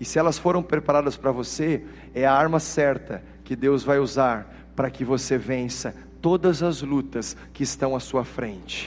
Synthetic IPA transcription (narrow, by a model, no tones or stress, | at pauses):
ɪsɪɛlɐsfoɾɐ̃w̃pɾepaɾad̪ɐspɾɐvose | ɛɐaɾmɐsɛɾt̪ɐ | kɪd̪ewzvajuzaɾ | pɾɐkɪvosevẽsɐ | t̪od̪ɐzɐzlut̪ɐs | kɪːst̪ɐ̃w̃ɐsuɐfɾẽnt͡ʃɪ̥